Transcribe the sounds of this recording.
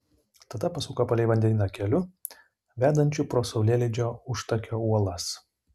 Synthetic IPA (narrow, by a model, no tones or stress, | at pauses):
t̪ɐd̪ɐpɐsuːkɐpɐlʲɛɪʋɐnʲd̪ʲɛnʲɪnɐkʲɛlʲʊ | ʋʲæːd̪ɐnʲt͡ʃʲʊpɾoːsɐʊlʲeːlʲɛd͡ʒʲoːʊʃt̪ɐkʲoːuɔlˠɐs